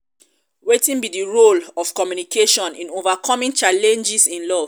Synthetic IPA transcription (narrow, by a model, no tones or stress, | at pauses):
wetĩnbidiɹolɔv̥kɔmjunikʰeʃɔ̃nĩnovakʰɔmĩŋt͡ʃalɛ̃nd͡ʒisĩnlɔv̥